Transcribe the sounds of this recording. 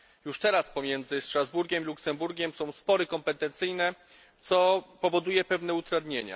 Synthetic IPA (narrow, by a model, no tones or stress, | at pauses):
juʂt̪ɛɾaspɔmʲjɛnd̪zɘstɾazbuɾɡʲɛmiluksɛmbuɾɡʲɛmsɔ̃w̃spɔɾɘkɔmpɛt̪ɛnt̪sɘjnɛ | t̪sɔpɔvɔd̪ujɛpɛvnɛut̪ɾad̪ɲeɲa̰